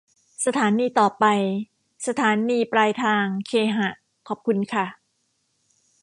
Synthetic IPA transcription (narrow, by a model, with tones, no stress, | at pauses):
sa˧t̪ʰaː˩˦niː˧t̪ɔː˨˩pa˧j | sa˧t̪ʰaː˩˦nːiː˧pɾaː˧jt̪ʰaː˧ŋkʰeː˧ɦa˨˩ʔ | kʰɔː˨˩p̚kʰu˧nkʰa˥˩